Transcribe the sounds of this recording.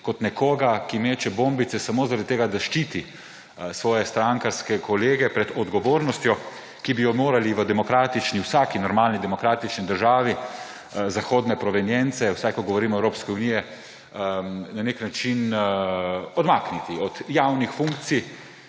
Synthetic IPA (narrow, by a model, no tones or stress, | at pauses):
kɔt̪nɛkɔːɡakimet͡ʃɛbõmbit̪sɛsamoːzaɾad̪it̪eːɡad̪aʃt͡ʃiːt̪i | sʋɔːjɛst̪ɾaŋkaɾskɛkɔleːɡɛpɾɛd̪ɔd̪ɡɔʋoːɾnɔst̪jɔ | kibijɔmoːɾaliʋəd̪ɛmɔkɾaːt̪it͡ʃniwsakinɔɾmaːlnid̪ɛmɔkɾaːt̪it͡ʃnid̪əɾʒaːʋi | zaxoːd̪nɛpɾɔʋɛnjɛnt̪sɛwsajkɔɡɔʋɔɾiːmɔɛwɾoːpskɛunijɛ | naneknat͡ʃin | ɔd̪maknit̪iɔd̪jawnixfuŋkt̪sij